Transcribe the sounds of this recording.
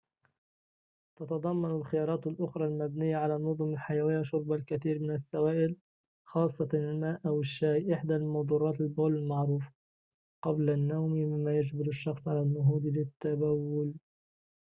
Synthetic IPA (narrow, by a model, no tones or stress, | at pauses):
t̪ɑt̪ɑd̪ˤɑmːɑnalxɪjɑːɾˤɑːt̪alʔʊxɾˤɑːlmabnɪjːaʕalaːnːʊðˤʊmalħajawɪjːaʃʊɾˤbalkaθiːɾmɪnasːawaːʔɪl | xɑːsˤːɑɪlmaːʔʔawɪʃːaːjʔɪħd̪almɑd̪ˤuːɾˤɑːt̪ɪlboːlɪlmaʕɾuːf | qɑblanːawmmɪmːaːjad͡ʒbɪɾaʃːɑxsˤʕalanːʊɦuːd̪lɪt̪ːabawːʊl